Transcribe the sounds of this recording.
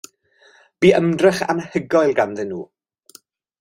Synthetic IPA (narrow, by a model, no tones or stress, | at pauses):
b̥iːəmdrɛχa̰nəhəɡɔjlˠɡanðɪnːṵː